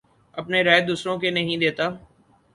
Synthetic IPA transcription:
əpneɾaːjd̪uːsɾõkenɐɦĩːd̪eːt̪aː

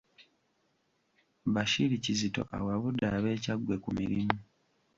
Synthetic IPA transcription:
βaʃilicizito̞̰ʔa̰waβudaβe̞ːcaɡwe̞kumiɾimu

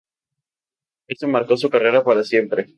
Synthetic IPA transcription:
e̞somaɾko̞s̬ukare̞ɾapaɾasje̞mpɾe

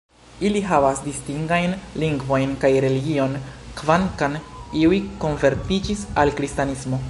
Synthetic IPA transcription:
iliɦavasdistiŋɡajnliŋɡvo̞jnkajɾe̞liɡio̞nkvankaniujko̞nve̞ɾtid͡ʒisalkɾistanismo̞

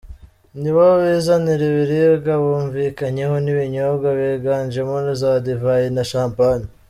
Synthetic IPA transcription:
niβaβizaniɾiβiɾiɡaβuːɱviːkaɲe̞ho̞niβiɲoβɡaβeɡaːɲd͡ʒemonizaːdivajenaʃaːmpani

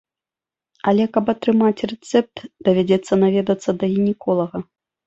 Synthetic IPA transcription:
ɐlʲɛkɐpɐt̪ɾɨmat͡sʲrɛt̪sɛp̚t̪d̪ɐvʲad͡zʲɛt̪sːɐnavʲɛd̪ɐt̪sːɐd̪ɐɣʲinʲɛkɔlˠɐɣɐ

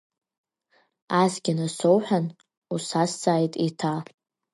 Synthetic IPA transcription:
azɡʲɪnasowħʷan | usasd͡zʼaːjtʼitʰa

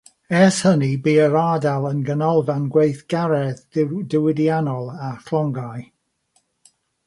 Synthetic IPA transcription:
ɛshənibiːəɾaːdalˠənɡənɔlˠvanɡwejθɡ̥aɾɛðdɪwɪdianɔlˠakʰlˠɔŋɡaj

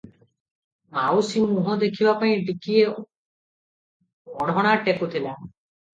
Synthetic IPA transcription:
mawsimuɦɔd̪ekʰibapaĩɖikie | ɔɽ̃ɔɽ̃aʈekut̪ʰila

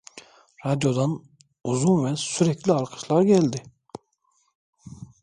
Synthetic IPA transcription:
ɾad̪jo̞d̪an | uzunvɛsyɾɛclʲiaɾqʰɯ̥ʃlˠaɾɟɛlʲd̪ɪ

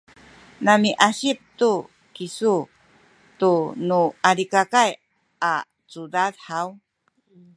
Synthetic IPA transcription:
namiʔaɕip̚tu | kisu | tunuaɾikakaj | a | t͡sudadħaw

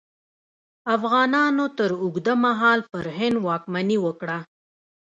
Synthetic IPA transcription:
afɣɑːnɑnot̪əɾʊɡd̪amaɦɑlpəɾɦɪnd̪wɑkmaniwəkɽa

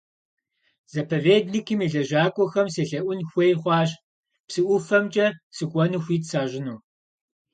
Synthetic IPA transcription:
z̥ɐpʰɐveːdnikʰɨmiɮɐʒaːkʷʼɔxɐmseːɬɐʔʷʊnxʷejχʷɑːɕ | psɨʔʷʊfɐmt͡ʃʼɐsɨkʷʼɔnuːxʷiːtʰsaːʒɪnuː

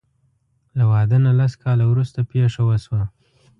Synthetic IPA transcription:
lawɑd̪ənalaskʰɑlawɾust̪apeʂawəswa

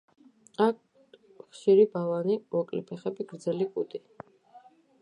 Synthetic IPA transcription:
ak̚ʰ | χʃiɾibavanimɔkʼlḭpʰɛχɛbiɡɾd̪zɛlikʼud̪ʼi

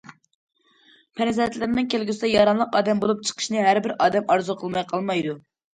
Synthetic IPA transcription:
pʰɛɾzlɛt̪lɪɾɪnɪŋkʲʰelɡʲysɪd̪ɛjɑɾɑnlˠəqɑːd̪ɛmbolˠup̚t͡ʃʰə̥qʰə̥ʃnɨɦæɾbɪɾɑːd̪ɛmɑɾzuqʰəlˠmɑjqʰɑlˠmɑjd̪u

